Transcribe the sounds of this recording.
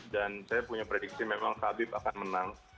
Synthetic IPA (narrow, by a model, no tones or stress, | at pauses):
dansajapuɲapɾedik̚simemaŋkabɪp̚akanmənaŋ